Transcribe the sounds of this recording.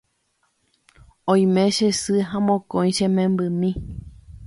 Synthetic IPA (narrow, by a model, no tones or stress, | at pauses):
õj̃mẽʃesɨɦãmõkõj̃ʃẽmẽmbɨmĩ